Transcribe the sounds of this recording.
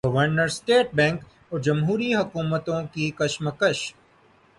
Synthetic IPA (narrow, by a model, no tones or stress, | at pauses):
ɡɐʋəɾnəɾsʈeːʈ̚bɛ̃ːŋk | ɔːɾd͡ʒɐmɦuːɾiɦɐkuːmət̪õkikɐʃməkəʃ